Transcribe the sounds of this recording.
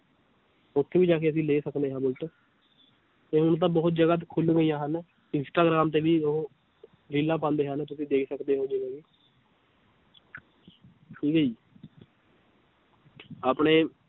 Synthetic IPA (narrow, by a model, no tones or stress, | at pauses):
ʊt̪ʰːeːbiːd͡ʒaːkeːəsĩːleːsəkd̪eːɦãːbʊlʈː | t̪eːɦʊnt̪̬ãːbɔːt̪̚d͡ʒəɡaːt̪̬kʰʊlɡəiːjãːɦən | ɪnsʈaːɡɾaːmt̪̬eːʋiːoɦ | ɾiːlãːpãːnd̪eːɦənt̪ʊsĩːd̪eːkʰsəkd̪eːɦoːd͡ʒeːɡaːɡeː | ʈʰiːkɦiː | aːpɳeː